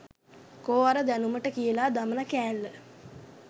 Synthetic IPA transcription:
koːaɾəd̪ænuməʈəkijəlaːd̪amənakæːlːə

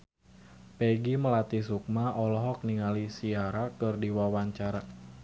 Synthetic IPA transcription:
peɡiməlat̪isuk̚maɔlɔɦɔk̚niŋalisiaɾakɨrdiwawaɲt͡ʃaɾa

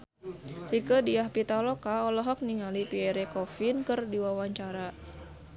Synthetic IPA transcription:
hikədiahpit̪alɔkaɔlɔɦɔk̚niŋalipiɛɾɛkɔfinkɨrdiwawaɲt͡ʃaɾa

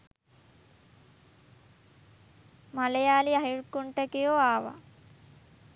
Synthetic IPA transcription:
malejaːliaɦiɻkuɳʈəkijoaːʋa̰

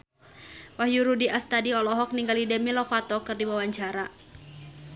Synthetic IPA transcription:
wahjuɾudiʔast̪adiɔlɔɦɔk̚niŋɡalidɛmilɔfat̪ɔkɨrdiwawaɲt͡ʃaɾa

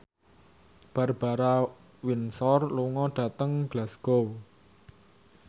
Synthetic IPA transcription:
b̥a̤rb̥a̤ɾa | winsɔrluŋɔɖ̥a̤t̪əŋɡ̥lasɡ̥ow

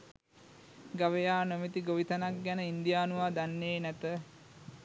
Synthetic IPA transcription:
ɡaʋejaːnomet̪iɡoʋit̪anak̚ɡɛnəind̪ijaːnuʋaːd̪anːeːnæt̪ə

